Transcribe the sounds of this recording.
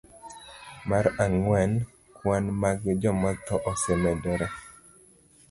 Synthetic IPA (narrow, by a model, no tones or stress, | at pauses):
maɾaŋwɛn | kwanmaɡd͡ʒɔmat̪ɔʔɔsɛmɛdɔɾɔ